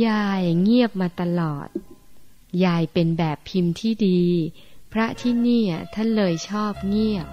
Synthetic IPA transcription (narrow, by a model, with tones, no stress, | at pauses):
jaː˧jŋi˥˩əp̚maː˧t̪a˧lɔ̰ː˨˩t̪̚ | jaː˧jpe˧nbɛː˨˩pʰːi˧mt̪ʰiː˥˩diː˧pʰɾa˦˥t̪ʰiː˥˩niː˥˩ʔa˨˩t̪ʰa˥˩nlɤː˧jt͡ɕʰɔː˥˩p̚ŋi˥˩əp̚